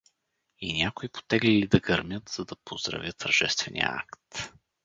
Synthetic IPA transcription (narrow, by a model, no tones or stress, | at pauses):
inʲakoipo̥t̪ɛɡlilid̪ɐɡɐɾmʲjət̪z̥ɐd̪ɐpozd̪ɾɐ̰vʲjət̪əɾʒɛst̪vɛnʲḭjə̰a̰kt̪